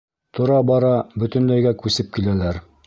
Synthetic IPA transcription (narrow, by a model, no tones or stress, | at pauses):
t̪ŏɾɑbɑɾɑbɵ̆t̪ɵ̆nlæjɡækʉsɘp̚kilælæɾ